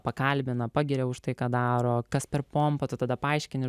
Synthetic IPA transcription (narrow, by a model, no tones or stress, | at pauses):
pɐkɐlʲbʲɪnɐpɑːɡʲɪɾʲɛʊʃt̪ɐɪkɑːd̪ɑːɾoːkɐspʲɛɾpompɐt̪ʊt̪ɐd̪ɐpɐɐɪʃʲkʲɪnʲɪ